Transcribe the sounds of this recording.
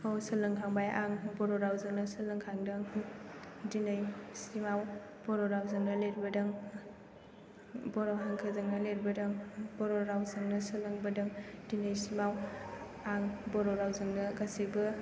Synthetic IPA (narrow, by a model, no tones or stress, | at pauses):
osɯlɯŋkʰaŋbajʔaŋbɔɾɔɾawzɯŋnɐsɐlɯŋkʰaŋdɯŋ | dinɐjsimaw | b̥ɔɾɔɾawzɯŋnɐleɾibɐdɐŋ | bɔɾoɦaŋkʰɐzɐŋnɐleɾibɐdɐŋbɔɾɔɾawzɐŋnɐsɯlɯŋbɐdɐŋdinɯjsimaw | aŋbɔɾɔɾawzɯŋnɐɡasibɐ